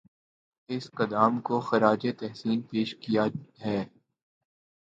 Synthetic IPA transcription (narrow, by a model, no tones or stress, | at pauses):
ɪsqɐd̪aːmkoxɐɾaːd͡ʒet̪ɛɦsiːnpeːʃkijaɦɛː